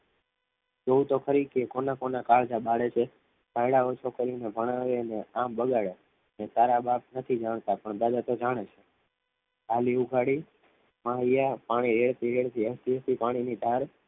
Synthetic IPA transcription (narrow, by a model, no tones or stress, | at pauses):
d͡ʒout̪okʰəɾikekonakonakaɭd͡ʒaɓaɽet͡ʃʰe | pajɽaot͡ʃʰokəɾinebʱəɽ̃aʋeəneãmbəɡaɭe | net̪aɾabap̚nət̪ʰid͡ʒaɳ̃t̪apəɳd̪ad̪at̪od͡ʒaɽ̃et͡ʃʰe | ɦaliuɡʱaɽi | maɦijapaɽ̃iɾeɭt̪iɾeɭt̪ʰiəst̪iəst̪ipaɽ̃inid̪ʱaɾ